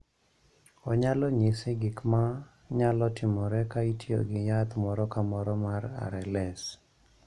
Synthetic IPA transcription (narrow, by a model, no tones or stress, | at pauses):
ɔɲalɔɲɪsɪɡɪkma | ɲalɔtɪmɔɾɛkaitjo̰ɡɪjat̪mɔɾɔkamɔɾɔmaɾa̰ɾɛlɛs